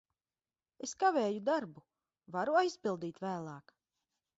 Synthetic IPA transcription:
eskaveːjud̪aɾbu | vaɾuajspilˠd̪iːt̪væːlˠɑːk

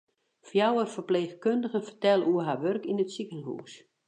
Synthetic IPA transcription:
fjawərfərpleːxkøndəɣənfərtɛlˠəuəɦaʋørkinətsikəlɦṵːs

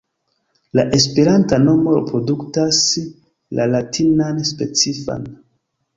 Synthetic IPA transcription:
laʔe̞spe̞ɾantano̞mo̞ɾḛpɾo̞duktas | lʔa̰latʰinanspe̞t͡sifa̰n

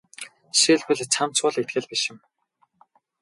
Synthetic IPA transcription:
ʃiɮpɘ̆ɮt͡sʰam̥t͡sʊɮet̪̚ɡɘ̆ɮpiʃɪ̆m

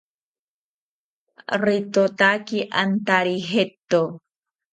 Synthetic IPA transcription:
rit̪ot̪akiʔa̰nt̪aɾiɦet̪ːo

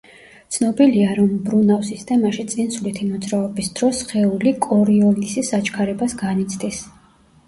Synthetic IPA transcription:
t̪sʰnɔbiliaɾɔmbɾunavsist̪ʰɛmaʃit̪sʼinsulit̪ʰimɔd̪zɾaɔbisd̪ɾɔsχɛulikʼɔɾiɔlisisat͡ʃʰkʰaɾɛbasɡanit̪sʰd̪is

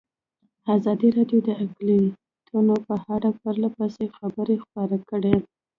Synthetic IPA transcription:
ɑzɑd̪iɾɑɖjod̪əakli | t̪ʰunopəhaɽapəɾlapəsexabəɾexpɑɾakəɽe

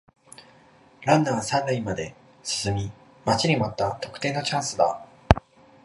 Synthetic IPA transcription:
ɾãnːãɰ̃sãnɾaĩmad̪e̞ | sɨ̥sɨmʲi | mat͡ɕiɲ̟ʲimat̪ːat̪o̞kɯ̟̥t̪e̞ːno̞t͡ɕãɰ̃sɨd̪a̰

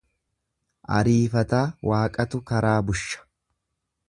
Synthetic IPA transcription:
ʔɐ̰ɾiːfɐt̪aːwʔaːkʼɐt̪ʊkɐɾaːbʊʃːɐ̥

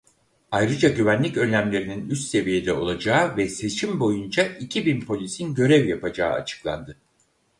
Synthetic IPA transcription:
ajɾɯd͡ʒaɟyvænlʲicø̞nlʲæmlʲe̞ɾininyst̪se̞vije̞d̪ɛo̞̰lˠad͡ʒaːɯvɛse̞t͡ʃʰimbo̞jund͡ʒaicʰibinpʰo̞lʲisinɟø̞ɾɛvjapad͡ʒa̰ːɯ̰a̰t͡ʃʰɯ̥klˠa̰nd̪ɯ

